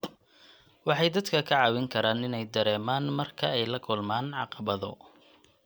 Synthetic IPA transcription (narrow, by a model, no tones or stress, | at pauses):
wɑħɑjd̪ɐd̪kʰɐkʰɐʕɑwɪŋkʰɐɾaːnɪnɛjd̪ɐɾɛːmaːnmɐrkʰɐɛjlɐkʰʊlmaːnʕɑ̰qɑβɐðɔ̰